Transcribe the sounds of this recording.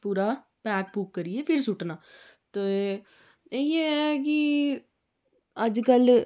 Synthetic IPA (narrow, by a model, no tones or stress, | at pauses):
puːɾaː | pɛːk̚puːkːəɾiepʰɪɾsʊʈnaː | t̪oː | eeɛki | əd͡ʒkəl